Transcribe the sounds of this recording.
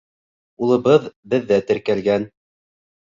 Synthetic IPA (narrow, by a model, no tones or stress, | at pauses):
ulˠɤ̆βɤðbɘ̆ðːæt̪ɘ̆ɾkælɡæn